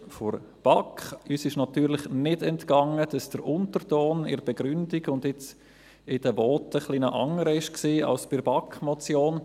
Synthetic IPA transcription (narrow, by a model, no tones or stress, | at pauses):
fɔɾ | b̥ɑkχyːsɪʃnɑt̪yːɾlɪχnɪdɛntkɑŋəd̥ɑsd̥əɾʔʊntəɾtoːnɪ̰ɾb̥ɛɡɾʏndiɡʊndɪt͡s | ɪd̥əvɔːtəχlinɔʔɑŋəɾəɪʃksiːɑ̰lsb̥ɪɾb̥ɑkmɔt͡sjoːn